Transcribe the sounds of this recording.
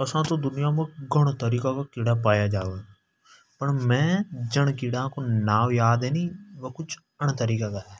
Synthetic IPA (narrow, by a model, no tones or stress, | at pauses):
əsãːt̪õːd̪ʊnɪjãːmə̃ɡəɽ̃t̪əɾiːkaːkakɪɽaːpaːjaːd͡ʒaːʋeː | pəɳmɛ̃ːd͡ʒəɳkɪɽãːkonaːʋjaːd̪ɛːniːʋəkʊt͡ʃʰ | əɳt̪əɾiːkaːkaːɦɛː